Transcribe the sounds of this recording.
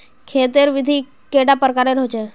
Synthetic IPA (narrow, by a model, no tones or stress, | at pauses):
kʰeːt̪əɾʋɪd̪ʱi | keɽapəɾkaɾeɾɔɦt͡ʃʰe